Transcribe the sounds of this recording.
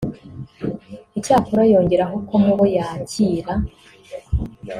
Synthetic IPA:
icaːkuɾajo̞ːɲɟe̞ɾaɦo̞komuβojaːciːɾa

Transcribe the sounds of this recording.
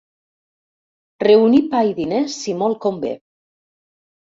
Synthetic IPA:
reunipajðinesːimɔlˠkombḛ

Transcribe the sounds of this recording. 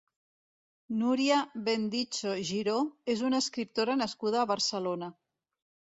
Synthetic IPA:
nuɾiaβend̪it͡ʃoʒiɾoezunaəskɾip̚t̪oɾanəskuð̞aːβəɾsəlona

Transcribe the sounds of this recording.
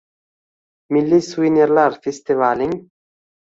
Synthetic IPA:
milːiswinɐɾlaɾfest̪ivaliŋ

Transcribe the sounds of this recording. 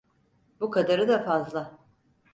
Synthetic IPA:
bukʰad̪aɾɯd̪afazlˠa

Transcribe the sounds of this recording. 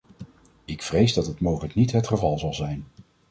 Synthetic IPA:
ɪkfrejzdɑtɦətmowχələknitɦətχəvɑlˠzɑlˠzɛjn

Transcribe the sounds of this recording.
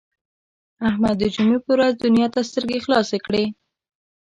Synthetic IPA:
ahmad̪ːəd͡ʒʊmepəwɾazd̪ʊnjɑt̪ast̪əɾɡexlɑsekɽe

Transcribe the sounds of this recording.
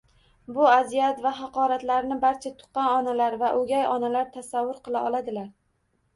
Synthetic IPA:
bʊazijat̪vaɦɑqɒɾat̪laɾnɪbaɾt͡ʃʰat̪ʰʊ̥qɑnɒnalaɾvaʔɵɡʲajɒnalaɾt̪ʰasavːʊɾqɨlˠaʔɒlˠad̪ɪlaɾ

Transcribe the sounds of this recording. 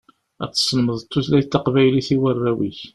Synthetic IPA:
æ̰t͡sːə̥sˤːənməðˤət̪ːuθlæjt̪ːɑqvæjliθiwərːæwiç

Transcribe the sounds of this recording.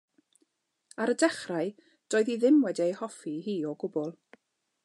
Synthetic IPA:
aɾədɛχraɨ | d̥oːɨðiðɪmwɛdiejhɔfiɦiːɔɡʊbɔlˠ

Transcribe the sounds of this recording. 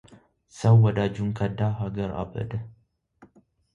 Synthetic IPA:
səwːɔd̪ad͡ʒuŋkʰəd̪aɦaɡəɾʔa̰bə̰d̪ə

